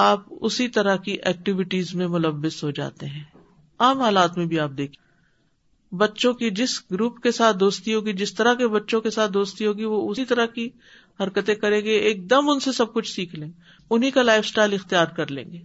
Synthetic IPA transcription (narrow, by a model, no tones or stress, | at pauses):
aːpʊ̰sit̪ɐɾakiʔɛːk̚ʈɪʋɪʈiːzmẽmʊləʋːɪsɦod͡ʒa̰ːt̪eɦɛ̃ː | aːmɦaːlaːt̪mẽbʱiaːp̚d̪eːkʰ | bɐtːʃõkid͡ʒɪsɡɾuːpkesaːt̪̚ʰd̪oːst̪iɦoːɡid͡ʒɪst̪ɐɾakebɐtːʃõkesaːt̪̚ʰd̪oːst̪iɦoːɡiʋoʊsit̪ɐɾaki | hɐɾkət̪ẽkɐɾẽːɡeeːk̚d̪ɐmʊnsesɐb̚kʊt͡ʃʰsiːkʰlẽːe | ʊnɦikalaːɪfsʈaːɪlɪxt̪ijaːɾkɐɾlḛ̃ːŋɡeː